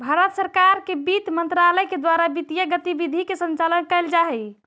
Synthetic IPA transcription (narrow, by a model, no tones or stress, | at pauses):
bʱaɾət̪səɾkaɾkebit̪mənt̪ɾaləjked̪waɾabit̪ijəɡət̪ibid̪ʱikesə̃nt͡ʃalənkɛɪld͡ʒaɦɛ